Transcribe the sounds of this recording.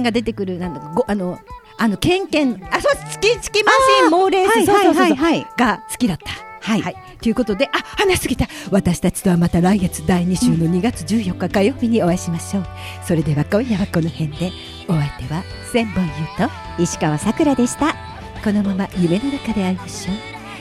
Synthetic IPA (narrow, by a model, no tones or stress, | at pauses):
ŋɡad̪e̞t̪̬e̞kɯ̟ɾɯ̟nãnd̪akɡoʔano̞ | ano̞kẽ̞ŋkẽ̞ŋasot͡sɨ̥kʲit͡sɨ̥kʲimaimoːɾe̞ːsisoaohoiohaiɡat͡sɨ̥kʲid̪at̪ːḁhaia | t̪ojiɯ̟ko̞t̪o̞d̪e̞ʔahanaɕi̥sɨɡʲit̪aβat̪aɕi̥t̪at͡ɕi̥t̪oβamat̪aɾaiɡet͡sɨ̥d̪aiɲ̟iɕɨːno̞ɲ̟iɡat͡sɨʑɨːjo̞kːakajo̞ːbʲiɲ̟io̞βaiɕimaɕo̞ː | so̞ɾe̞d̪e̞βakõ̞ɰ̃jaβako̞no̞hẽ̞nd̪e̞ | o̞βat̪e̞βa | sẽ̞mbõ̞ɰ̃jɯ̟ːt̪o̞ | iɕi̥kaβasakɯ̟ɾad̪e̞ɕi̥t̪a | ko̞no̞mamajɯme̞no̞nakad̪e̞aɾʲimaɕo̞ː